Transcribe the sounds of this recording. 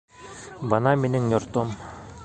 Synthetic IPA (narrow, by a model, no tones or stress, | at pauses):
bɑnɑmeniŋnʲoɾt̪om